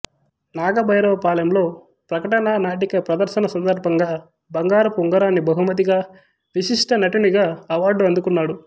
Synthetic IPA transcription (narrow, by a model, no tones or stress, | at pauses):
naːɡɐbʱɐjɾɐʋpaːlɐjɐmlo̞ː | pɾɐkɐʈɐnaːnaːʈ̬ikɐpɾɐd̪ɐɾʃɐnɐsɐnd̪ɐɾbʱɐŋɡaː | bɐŋɡaːɾɐpuŋɡɐɾaːnːibɐɦumɐt̪̬iɡaː | ʋisiʂʈɐnɐʈiniɡaːɐʋaːɾɖuɐnd̪ukunːaːɽu